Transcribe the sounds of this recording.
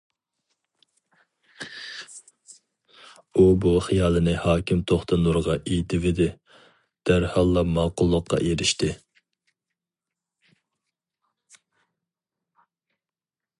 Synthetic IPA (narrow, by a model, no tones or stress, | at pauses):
ubuχijɑːlˠɨnɪhɑːkʲɪmt̪ʰoχt̪ʰɑnuɾʁɑʔejt̪ʰɪvɪd̪ɪ | d̪̥æɾhɑlˠːɑmɑːqʰʊlˠːəqːɑ̰ʔeɾɪʃt̪ɪ